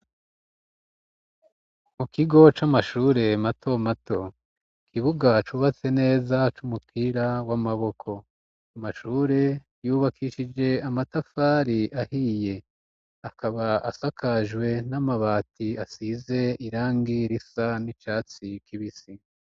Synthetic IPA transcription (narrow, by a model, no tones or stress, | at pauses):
mukiɡo̞t͡ʃamaʃuːɾe̞matʰo̞matʰo̞ | kʰiβuɡat͡ʃuːβat͡se̞ne̞ːzat͡ʃumupʰiɾawamaβo̞kʰo̞ | amaʃuːɾe̞ | juːβakʰiʃid͡ʒe̞amatafaːɾiʔahije̞ | akʰaβaʔasakʰaʒwe̞namaβaːtiasize̞iɾaːŋɡiɾisanit͡ʃaːt͡sikʰiβisi